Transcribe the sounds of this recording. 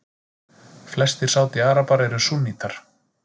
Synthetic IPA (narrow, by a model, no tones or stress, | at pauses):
flɛst̪ɪɾ̥saːwt̪ɪaːɾapaɾɛjɾʏsunːiːt̪ʰaɾ̥